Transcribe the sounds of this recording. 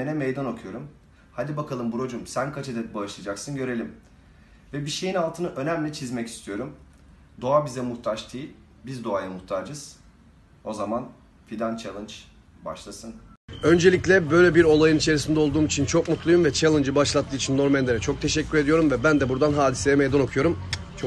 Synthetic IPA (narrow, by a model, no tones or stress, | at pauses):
enɛmejd̪ano̞kʰujo̞ɾum | had̪ibakʰalˠɯmbuɾo̞d͡ʒumsænkʰat͡ʃʰed̪ɛt̪̚baɯʃlˠad͡ʒaksɯnɟø̞ɾe̞lʲim | vɛbiʃe̞jinalˠt̪ʰɯnaʔø̞næmlʲɛt͡ʃʰizmɛci̥st̪ʰijo̞ɾum | d̪o̞abizɛmuht̪ʰaʃt̪ʰɯː | bizd̪o̞ajamuht̪ʰaːd͡ʒɯz̥ | o̞zaman | fid̪ant͡ʃʰalˠɯnt͡ʃ | ba̰ʃlˠasɯn | ø̞nd͡ʒe̞lʲicʲlʲɛbø̞jlʲɛbiɾo̞lˠajɯnit͡ʃʰe̞ɾisind̪ɛo̞lˠd̪uːmit͡ʃʰint͡ʃʰokmut̪lˠujumvɛt͡ʃʰalˠɯnd͡ʒɯbaʃlˠat̪ʰːɯːit͡ʃʰinːo̞ɾmɛnlʲeɾɛt͡ʃʰo̞k̚t̪ʰe̞ʃɛcʲːyɾed̪ijo̞ɾumvɛbænd̪ɛbuɾd̪anɦaːd̪isɛjɛmejd̪ano̞kʰujo̞ɾum | t͡ʃʰ